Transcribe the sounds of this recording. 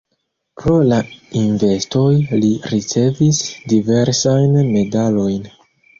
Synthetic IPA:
pɾo̞lainve̞sto̞jliɾit͡se̞visdive̞ɾsajnme̞dalo̞jn

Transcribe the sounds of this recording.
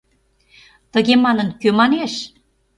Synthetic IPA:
t̪əɣemɑnənkømɑneʃ

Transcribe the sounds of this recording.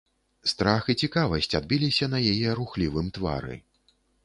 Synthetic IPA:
st̪ɾaxit͡sʲikavɐsʲt͡sʲad̪̚bʲilʲisʲɐnɐjajɛɾuxlʲivɨmt̪va̰ɾɨ̰

